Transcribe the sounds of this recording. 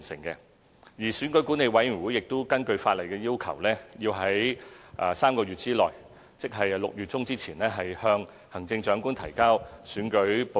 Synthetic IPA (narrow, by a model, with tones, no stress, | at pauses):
nsɪ̰˨˩ŋkɛː˧ | jiː˨˩syː˨˥nkɵ˨˥ɥkuː˨˥ne˨˧jwɐ˨˥jjy˨˩wuː˨˥jɪ˨k̚t̪ʊ˥wkɐ˥nkɵ˧ɥfaː˧t̚lɐ˨˩jkɛː˧jiː˥wkʰɐ˨˩wlɛː˥jiː˧wɦɐ˨˥jʔɐː˨saː˥mkɔː˧ɥyː˨t̚t͡siː˥lɔː˨j | t͡sɪ˥k̚ɦɐ˨jlʊ˨k̚jyː˨t̚t͡sʊ˥ŋt͡siː˥t͡sʰiː˨˩nlɛː˥ɦɐ˨jhœː˧ŋ | hɐ˨˩ŋt͡sɪ˧ŋt͡ʃœː˨˧˥ŋku˥nt̪ʰɐ̰˨˩jkaː˥wsyː˨˥nkɵ˨˥ɥp